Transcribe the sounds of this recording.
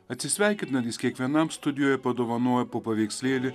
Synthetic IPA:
ɐt̪ʲsʲɪsʲʋʲæjkʲɪt̪nɐd̪ʲisʲkʲiɛkʲʋʲiɛnamst̪ʊd̪ʲɪjoːjɛpɐd̪ɔʋɐnoːjɛpopɐʋʲiːkʲsʲlʲeːlʲɪ

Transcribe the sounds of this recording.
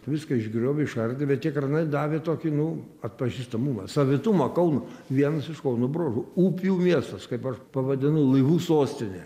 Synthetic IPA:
ʋʲɪskɐɪʒʲɡʲɾʲoːʋʲɪɪʃɐrʲd̪ʲɪbʲɛt̪̚t̪ʲiɛkrɐnɐɪd̪ɑːʋʲeːt̪oːkʲɪnʊɐt̪̚pɐʒʲiːst̪ɐmumɐ̰sɐʋʲɪt̪umɐkɐʊnʊʋʲiɛnɐsɪʃkɐʊnʊbɾoːʒʊuːpʲjuːmʲiɛst̪ɐskɐɪpɐʃpɐʋɐd̪ʲɪnɐʊlˠɐɪʋuːsoːsʲt̪ʲɪnʲɛ̰

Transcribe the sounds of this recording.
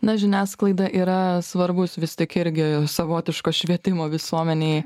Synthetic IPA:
nɐʒʲɪnʲæːsklˠɐɪd̪ɐʔiːɾɐsʋɐɾbʊsʋʲɪst̪ʲɪkɪɾʲɡʲɪsɐʋoːt̪ʲɪʃkoːʃʲʋʲiɛt̪ʲɪmoːʋʲɪsuɔmʲɛnʲeːɪ

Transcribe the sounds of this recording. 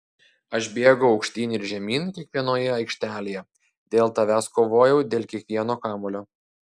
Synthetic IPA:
ɐʃbʲeːɡɐʊɒʊkʃʲt̪ʲiːnʲɪɾʒʲɛmʲiːnkʲiɛkʋʲiɛnoːjɛɐɪkʃʲt̪ʲæːlʲeːjɛ | d̪ʲeːlˠt̪ɐʋʲæskoːʋoːjɛʊd̪ʲeːlʲˠkʲiɛkʋʲiɛnoːkɑːmoːlʲoː

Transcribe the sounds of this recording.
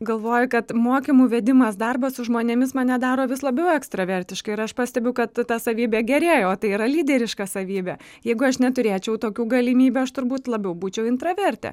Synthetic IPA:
ɡɐlˠʋoːjʊkɐt̪moːkʲɪmuːʋʲɛd̪ʲɪmɐsd̪ɐrbɐssʊʒmoːnʲɛmʲɪsmɐnʲɛd̪ɑːɾoːʋʲɪslˠɐbʲɛʊɛkst̪rɐʋʲɛɾʲt̪ʲɪʃkɐɪɪɾɐʃpɑːsʲt̪ʲɛbʲɛʊkɐt̪tːɑsɐʋʲiːbʲɛːɡʲɛɾʲeːjoːt̪ɐɪiːɾɐlʲiːd̪ʲɛɾʲɪʃkɐsɐʋʲiːbʲɛ | jɛɪɡʊɐʃnʲɛt̪ʊɾʲeːt͡ʃʲɛʊt̪oːkʲuːɡɐlʲɪmʲiːbʲuːɐʃt̪ʊɾbuːt̪lˠɐbʲɛʊbuːt͡ʃʲɛʊɪnt̪ɾɐʋʲɛɾʲt̪ʲɛ̰

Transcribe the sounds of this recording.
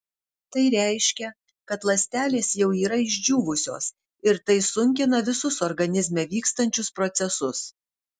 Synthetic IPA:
t̪ɐɪɾʲæˑɪʃʲkʲɛ | kɐt̪lˠɐsʲt̪ʲæːlʲeːsjɛʊiːɾɐɪʒʲd͡ʒʲuːʋʊsʲo̰ːs | ɪɾt̪ɐɪsʊŋʲkʲɪnɐʋʲɪsʊsɔɾɡɐnʲɪzʲmʲɛʋʲiːkst̪ɐnʲt͡ʃʲʊspɾɔt̪sʲɛsʊs

